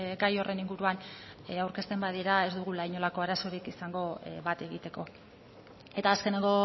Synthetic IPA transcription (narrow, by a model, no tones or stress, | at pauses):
ɡajo̞re̞niŋɡuɾuanawɾke̞st̪e̞mbaðiɾae̞zd̪uɣ̞ulajɲo̞lako̞aɾaso̞ɾikisaŋɡo̞βat̪e̞ɣit̪e̞ko̞ | e̞t̪aːske̞neŋɡo